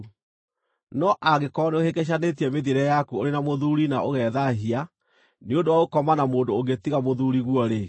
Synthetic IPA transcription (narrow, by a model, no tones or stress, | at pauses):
nɔʔaɣekɔneohekɛɕ̬anet̬iɛmeðiɾɛjakuoɾenamoðuɾinaʔoɣɛðaɦia | neondowaokɔmanamoːndooɡetiɣamoðuɾiɣwɔɾe